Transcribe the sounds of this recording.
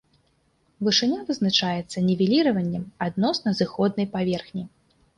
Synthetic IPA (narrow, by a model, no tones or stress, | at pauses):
vɨʂɨnʲavɨznat͡ʂajɛt̪sːɐnʲɛvʲɛlʲiɾɐvɐnʲːɛmad̪̚nɔsnɐzɨxɔd̪̚nɐjpavʲɛrxnʲi